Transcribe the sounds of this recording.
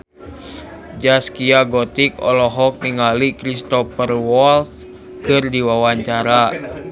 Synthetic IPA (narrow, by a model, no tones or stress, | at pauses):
d͡ʒaskiaɡɔt̪ikɔ̰lɔɦɔk̚niŋalikɾist̪ɔpərwɔls | kɨrdiwawaɲt͡ʃaɾa